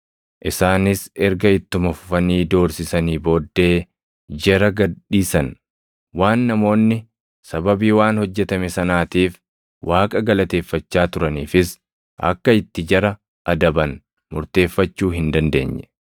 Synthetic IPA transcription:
ʔɪsaːnɪsɛɾɡɐɪt̪ːʊmɐfʊfɐniːd̪o̞ːɾsɪsɐniːbo̞ːd̪ːe̞ː | d͡ʒɛɾɐɡɐdiːsɐn | waːnːɐmo̞ːnːɪ | sɐbɐbiːwaːnhɔd͡ʒːɛt̪ɐmɛsɐnaːt̪iːf | wʔaːkʼɐɡɐlɐt̪e̞ːfːɐt͡ʃːaːt̪ʊɾɐniːfɪs | ʔɐ̰kːɐɪt̪ːɪd͡ʒɐɾɐ | ʔɐd̪ɐbɐn | mʊɾt̪e̞ːfːɐt͡ʃːuːhɪnd̪ɐnd̪e̞̰ːɲːɛ̥

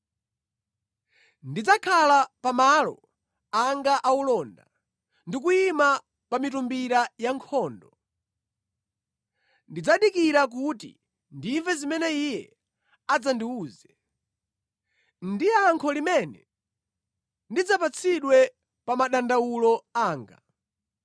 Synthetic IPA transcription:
ndid͡zakʰalapamalɔ̰ | aŋɡaʔaulɔnda | ndik̬uima | pamitumbiɾajaŋkʰɔːndɔ | ndid͡zaɗikiɾak̬utḭ | ndiɱvɛzimɛnɛijɛ | ad͡zandiuːzɛ | ndiaŋkʰɔlimɛnɛ | ndid͡zapat͡sʰiɗwɛ | pamaɗandawulɔaːŋɡa̰

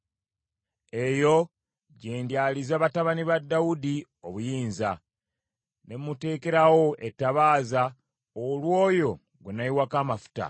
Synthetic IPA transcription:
e̞jo̞ | ɟeːndalizaːβataβaniβadːawudi | o̞βujiːnza | ne̞mːute̞ːke̞ɾawo̞etːaβaːza | olwo̞ːjo̞ | ɡwenaiwakaːmafu̥ta̰

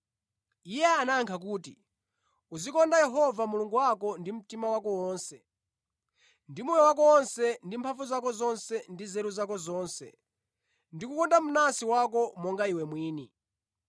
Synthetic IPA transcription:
ijɛanaːŋkʰak̬uːti | uzikɔndajɛɦɔvamuluŋɡuwakɔndim̩timawakɔwɔːnsɛ | ndimujɔwak̬ɔwɔnsɛndimpʰaɱfuzakɔzɔnsɛndizɛɾuzakɔzɔːnsɛ̰ | ndikukɔndamunasiwakɔmɔŋɡaiwɛmwiːni

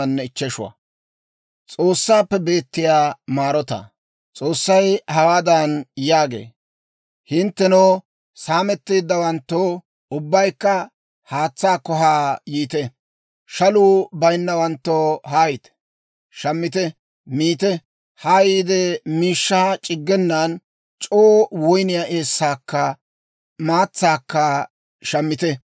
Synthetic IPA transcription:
ɐnːɛɪt͡ʃːɛʃʊwɐ̰ | t͡sʼo̞ːsːaːpːɛbe̞ːt̪ːɪjaːmaːɾɔt̪ɐ̰ | t͡sʼo̞ːsːɐjhɐwaːd̪ɐnjaːɡḛː | hɪnt̪ːɛnɔː | saːmɛt̪ːeːd̪ːɐwɐnt̪ːoː | ʊbːɐjkːɐ | haːt͡sːaːkɔɦaːjiːt̪ɛ | ʃɐluːbɐjnːɐwɐnt̪ːoːɦaːjɪt̪ | ʃɐmːɪt̪ɛ | miːt̪ɛ | haːjiːd̪ɛmiːʃːaːt͡ʃʼɪɡːɛnːaːn | t͡ʃʼoːwɔjnɪjaʔe̞ːsːaːkːɐ | maːt͡sːaːkːɐ | ʃɐmːɪt̪ɛ

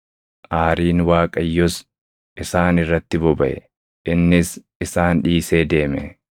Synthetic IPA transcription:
ʔaːɾiːnwaːkʼɐjːɔs | ʔɪsaːnɪrːɐt̪ːɪbɔbɐʔɛ̰ | ʔɪnːɪs | ɪsaːnᶑiːse̞ːd̪e̞ːmɛ̰

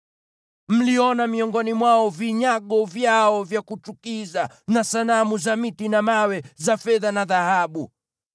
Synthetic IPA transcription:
m̩liɔnamiɔŋɡɔnimwaɔviɲaɠɔvjaɔvjakut͡ʃukiza | nasalamuzamitinamawɛzafɛðanaðahaɓu

